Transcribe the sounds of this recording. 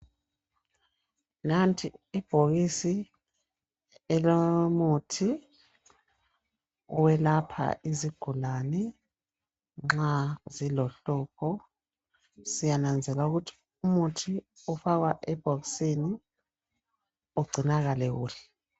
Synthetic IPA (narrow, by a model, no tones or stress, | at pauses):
nantʰʼiːb̥ʱoɣisi | ɛlomutʰi | wɛlapʰa̰ʔiziɡ̥ʱulanɛ | ŋ͡ǁazilɔɬɔːkʰɔ | sijanand͡zʱɛlauɣutʰi̥ | umutʰi | ufaɣwaʔɛb̥ʱoɣisini | uɡ͡ǀʱinaɣalɛɣuːli